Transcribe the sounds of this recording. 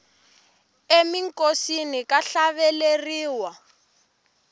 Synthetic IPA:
emiŋkʼosinikʼaɬaβɛleriːwa

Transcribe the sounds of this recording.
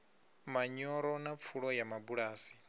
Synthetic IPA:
maɲɔɾɔnap̪fʰuɺɔjamabuɺaːsi̥

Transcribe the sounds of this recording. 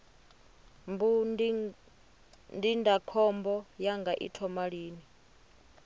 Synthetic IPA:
mbu | ndindʱakʰɔmbɔjaŋɡaʔḭtʰɔmaɺiːni

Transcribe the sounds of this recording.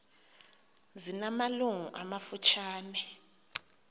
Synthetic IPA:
zinamaluŋuʔamafut͡ʃʰaːnɛ

